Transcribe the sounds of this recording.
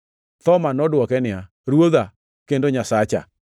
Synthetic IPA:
t̪ɔmanɔdwɔkɛnɪa | ɾwoða | kendoɲasat͡ʃa̰

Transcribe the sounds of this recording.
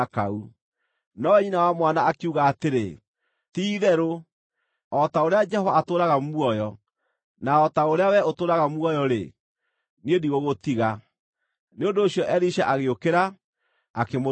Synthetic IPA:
kau | nɔɛinawamwanaːkeuɣaːteɾe | tiːðɛɾo | ɔtaoɾead͡ʒɛhɔvaːtoːɾaɣamwɔjɔ | naɔtaoɾeawɛotoːɾaɣamwɔjɔɾḛ | niediɣoɣotiɣa | neondoːɕjɔʔɛɾiʃaʔaɣeokeɾa | akemo

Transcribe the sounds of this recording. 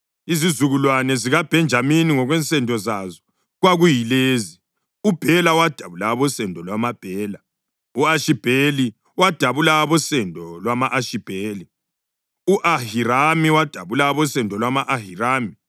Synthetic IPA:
izizuɣulwanɛziɣab̥ʱɛnd͡ʒʱaminiŋɔɣwɛnt͡sʼɛndʱɔzazɔ̥ | ɣwaɣujileːzi | ub̥ʱɛlawad̥ʱaβulaβɔsɛndʱɔlwamab̥ʱɛːla | uaʃib̥ʱeli | wad̥ʱaβulaβɔsɛndʱɔlwamaʔaʃib̥ʱeːli | uʔahiɾamiwad̥ʱaβulaβɔsɛndʱɔlwamaʔahiraːmi

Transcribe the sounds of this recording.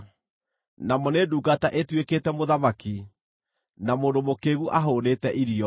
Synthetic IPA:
namɔneduːɡataʔetwekeːtɛmoðamaki | namoːndomokeɣuʔaɦoːnetɛʔiɾiɔ

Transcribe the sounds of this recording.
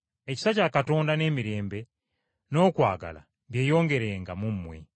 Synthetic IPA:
e̞ci̥sacaːkato̞ːndane̞ːmiɾe̞ːmbe̞ | no̞ːkwa̰ːɡa̰la̰ | βje̞ːjo̞ːŋɡe̞ɾe̞ːŋɡamumːwe̞̰

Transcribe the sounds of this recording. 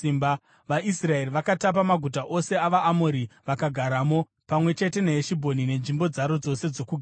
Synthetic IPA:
imba | ʋaʔisrae̞riʋakatap̬amaɡʱutaʔo̞se̞aʋaʔːmoɾiʋakaɡʱaɾaːmo̞ | pamwe̞t͡ʃe̞te̞neeʃibʱo̞nine̞nʐimbo̞d͡zaɾo̞d͡zo̞se̞d͡zo̞kuɡʱa

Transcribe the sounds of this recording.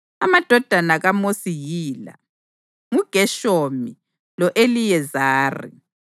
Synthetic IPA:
amad̥ʱɔd̥ʱanaɣamosiɣiːla̰ | ŋuɡ̥ʱɛʃomi | lɔʔelijɛzaːrḭ

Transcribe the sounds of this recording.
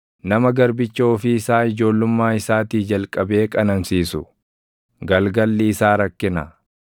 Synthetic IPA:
nɐmɐɡɐɾbɪt͡ʃːo̞ːfɪːsaːɪd͡ʒo̞ːlːʊmːaːɪsaːt̪iːd͡ʒɐlkʼɐbe̞ːkʼɐnɐnsiːsʊ | ɡɐlɡɐlːɪːsaːɾɐkːɪnɐ̰

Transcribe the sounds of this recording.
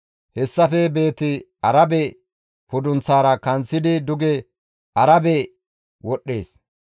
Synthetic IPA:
hɛsːɐfɛbe̞ːt̪ɪ | ɐɾɐbɛ | pʊd̪ʊnt͡sːaːɾɐkɐnt͡sːɪd̪ɪd̪ʊɡɛ | ʔɐɾɐbɛ | wɔɗːe̞̰ːs

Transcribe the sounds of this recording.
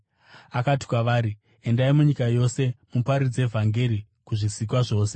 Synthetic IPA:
akati̥kwaʋaːɾi | e̞ndaimuɲikajo̞se̞mupaɾid͡ze̞vʱaŋɡe̞ɾi | kuʐisik̬waʐo̞ːse

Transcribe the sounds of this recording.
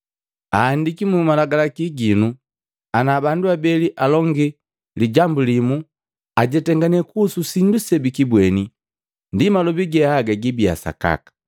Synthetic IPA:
a̰ːndikimumalaɡalakiɡinu | anaːbanduabɛliʔalɔŋɡi | liɟambulimu | aɟɛtɛŋɡanɛkususindusɛbikibwɛni | ndimalɔbiɡɛaɡaɡibia̰sa̰ka̰kḁ

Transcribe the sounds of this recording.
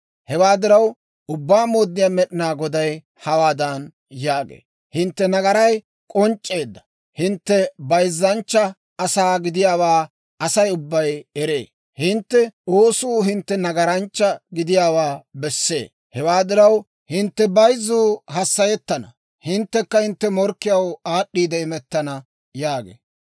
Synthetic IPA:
hɛwaːd̪ɪɾɐw | ʔʊbːaːmoːd̪ːɪjaːmɛɗɪnaːɡɔd̪ɐj | hɐwaːd̪ɐn | jaːɡḛː | hɪnt̪ːɛnɐɡɐɾɐj | kʼɔnt͡ʃʼːe̞ːd̪ːɐ̥ | hɪnt̪ːɛbɐjzːɐnt͡ʃːɐ | ɐsaːɡɪd̪ɪjaːwaː | ɐsɐjʊbːɐjɛɾe̞ː | hɪnt̪ːɛoːsuːɦɪnt̪ːɛnɐɡɐɾɐnt͡ʃːɐɡɪd̪ɪjaːwaːbɛsːḛː | hɛwaːd̪ɪɾɐw | hɪnt̪ːɛbɐjzːuːhɐsːɐjɛt̪ːɐnɐ̰ | hɪnt̪ːɛkːɐhɪnt̪ːɛmɔɾkːɪjɐwaːɗːiːd̪ɐɪmɛt̪ːɐnɐ | jaːɡḛː

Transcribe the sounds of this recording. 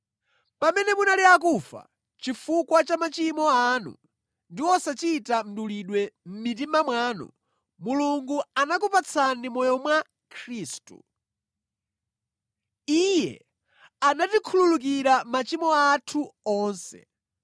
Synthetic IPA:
pamɛnɛmunaliakufa̰ | t͡ʃifukwat͡ʃamat͡ʃimɔanṵ | ndiwɔsat͡ʃitam̩ɗuliɗwɛm̩mit̬imamwaːnɔ̰ | muluŋɡuanakupat͡sʰanimɔjɔmwa | kʰɾiːstṵ | ijɛ̰ | anatikʰululuk̬iɾamat͡ʃimɔatʰuɔːnsɛ̰

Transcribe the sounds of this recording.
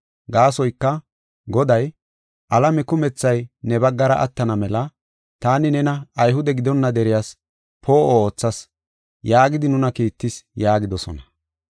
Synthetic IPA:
ɡaːsɔjkːɐ | ɡɔd̪ɐj | ʔɐlɐmɛkʊmɛt͡sːɐjnɛbɐɡːɐɾɐʔɐ̰t̪ːɐnɐmɛlɐ | t̪aːnɪnɛnɐɐjɦʊd̪ɛɡɪd̪ɔnːɐd̪ɛɾɪjas | pʰoːʔooːt͡sːɐs | jaːɡɪd̪ɪnʊnɐkiːt̪ːɪsjaːɡɪd̪ɔsɔ̰nɐ̥

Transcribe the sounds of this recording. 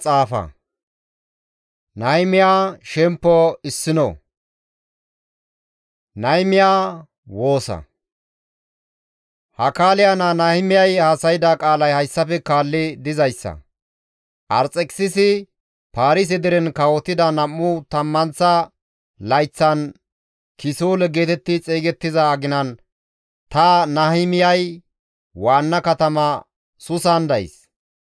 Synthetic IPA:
t͡sʼaːfɐ̰ | nɐjmɪjaːʃɛmpːɔɪsːɪnɔ̰ | nɐjmɪjaː | wo̞ːsɐ̰ | hɐkaːlɪjananɐjmɪjɐjhaːsɐjɪd̪akʼaːlɐjhɐjsːɐfɛkaːlːɪd̪ɪzɐjsːɐ̰ | ʔɐ̰ɾt͡sʼɛkʼsɪsɪ | paːɾɪs̬ɛd̪ɪɾɛnkɐwɔt̪ːɪd̪ɐnɐmːʊt̪ɐmːɐnt͡sːɐ | lɐjt͡sːɐn | kɪsoːlɛɡe̞ːt̪ɛt̪ːɪt͡sʼeːɡɛt̪ːɪzɐːɡɪnɐn | t̪ɐnɐhɪmɪjɐj | waːnːɐkɐt̪ɐmɐ | sʊsand̪ɐj̰s

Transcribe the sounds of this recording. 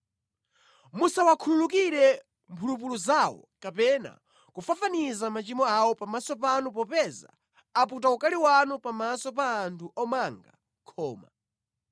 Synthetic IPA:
musawakʰululukiɾɛ | mpʰulup̬uluzawɔ̰ | kapɛna̰ | kufafanizamat͡ʃimɔawɔpamasɔpanupɔpɛza̰ | aput̬aukaliwanupamasɔpaːntʰuɔmaŋɡa̰ | kʰɔːma̰

